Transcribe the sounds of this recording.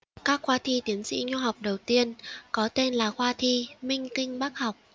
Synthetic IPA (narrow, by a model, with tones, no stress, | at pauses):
kaː˦˥k̚xwaː˧t̪ʰi˧t̪i˨˦ənsḭ˧˥ɲu˧ɦa˨˩wk͡p̚ɗə˨˩wt̪i˧ənkɔ˨˦t̪e˧nlaː˨˩xwaː˧t̪ʰi˧mï˧ŋ̟kï˧ŋ̟ɓaː˦˥k̚ha˨˩wk͡p̚